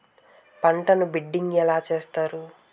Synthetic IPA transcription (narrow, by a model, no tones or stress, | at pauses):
pɐɳʈɐnubiɖːiŋɡɛlaːt͡ʃe̞ːst̪aːɾu